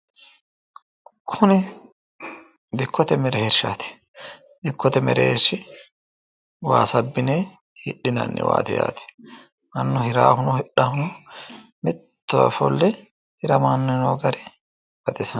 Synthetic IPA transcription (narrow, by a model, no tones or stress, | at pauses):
kʰʊnɪ | d̪ɪkʰːɔt̪ɛmɛɾɛhɛɾʃa̰ːt̪ɪ̥ | d̪ɪkːɔt̪ɛmɛ̰ɾḛːʃːɪ | wa̰ːsɐbːɪneː | hɪɗɪnɐ̰nːɪ̰wa̰ːt̪ɛja̰ːt̪ɪ̥ | mɐnːʊhɪɾaːhʊnɔhɪɗːahʊnʊ | mɪt̪ːɔ̰fɔ̰lːɛ | hɪɾɐmaːnːɛnoːɡɐɾɛ | b̥ɐt̪ɪsɐ